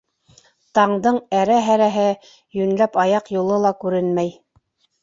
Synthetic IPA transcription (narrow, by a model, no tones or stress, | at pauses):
t̪ɑɴd̪ɤɴæɾæɦæɾæɦɘ | jɵ̆nlæpɑjɑqjulˠɤlˠɑkʉɾɘnmæj